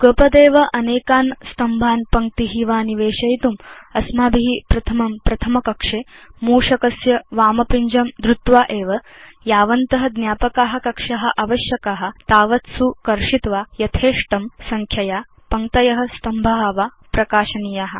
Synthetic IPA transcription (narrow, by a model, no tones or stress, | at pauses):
kəːpɐd̪eːʋɐʔɐneːkaːnst̪ɐmbʱaːnpɐŋ̚t̪iɦiːʋaːniʋeːʃɐjt̪umɐsmaːbiɦipɾɐt̪ʰɐmɐmpɾɐt̪ʰɐmɐkɐkʂeːmuːʂɐkɐsjɐʋaːmɐpiɲd͡ʒɐmd̪ɾut̪ʋaːʔeːʋɐ | jaːʋɐnt̪ɐɦɐ̆d̪njaːpɐkaːɦɐ̆kɐkʂɐɦɐ̆ʔɐʋɐʃjɐkaːɦɐ̆t̪aːʋɐt̪sukɐɾʂit̪ʋaːjɐt̪ʰeːʂʈɐmsɐŋkʰjɐjaː | pɐŋt̪ɐjɐɦɐ̆st̪ɐmbʱaɦɐʋaː | pɾɐkaːʃɐnijaːɦɐ̆